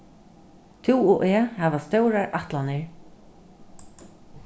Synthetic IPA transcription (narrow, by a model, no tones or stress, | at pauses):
t̪ʰuːɔʔɛːhɛːʋast̪œwɾaɹʔaht̪lanɪɹ